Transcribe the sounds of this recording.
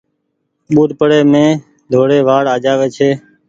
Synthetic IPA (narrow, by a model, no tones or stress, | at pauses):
ɓuːɗpəɽeːmẽː | d̪ʱoːɽeːʋaːɽaːd͡ʒaːʋeːt͡ʃʰeː